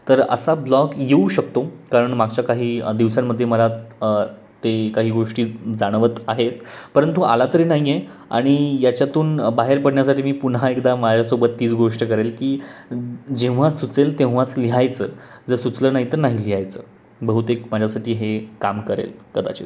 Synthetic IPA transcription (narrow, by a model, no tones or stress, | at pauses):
t̪əɾə̰sablɔkjeuɕək̚t̪okaɾəɳmaɡt͡ɕjakaɦiːd̪iʋsamːəd̪ʱːjeməlaə | t̪ekaɦiːɡoʂʈiːd͡zaɽ̃ʋət̪aɦet̪pəɾənt̪ua̰lat̪əɾiːnaɦije | a̰ɽ̃ijat͡ɕjat̪uːnbaɦeɾpəɽɳjasaʈʰiːmiːpunɦaekd̪amad͡ʑʱjasobət̪ːiːt͡sɡoʂʈəkəɾelkiː | d͡ʑẽʋ̤̃asut͡selt̪ẽʋʋat͡sliɦajt͡səː | d͡zəsut͡sləːnaɦit̪əɾnaɦiliɦajt͡sə̰ː | bəɦut̪ekmad͡ʑʱjasaʈʰiːɦekamkəɾḛlkəd̪a̰t͡ɕḛ